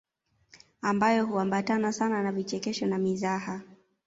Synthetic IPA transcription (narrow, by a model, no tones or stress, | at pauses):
ambajɔɦuambatanasananavit͡ʃɛkɛʃɔnamizaha